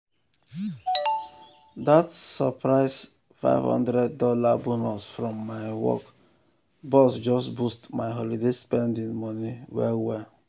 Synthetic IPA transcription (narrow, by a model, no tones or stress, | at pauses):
datsɔpɾaɪs | fa̰ɪvhɔ̰̃ndɾɛd̚dɔlabunɔsfɾɔ̃mːaɪwɔ̰k | bɔsd͡ʒɔstbustmaɪɦɔlidespɛ̃ndĩŋmɔniwɛ̰wɛ